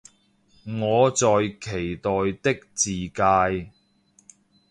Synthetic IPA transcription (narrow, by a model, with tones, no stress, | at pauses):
ŋɔː˨˧t͡sɔː˨jkʰe˨˩jt̪ɔː˨jt̪ɪ˥k̚t͡siː˨kaː˧j